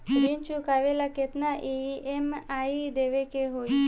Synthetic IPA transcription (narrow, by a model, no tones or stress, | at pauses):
ʋint͡ʃukaʋelaket̪naʔeemaid̪eʋekeɦoj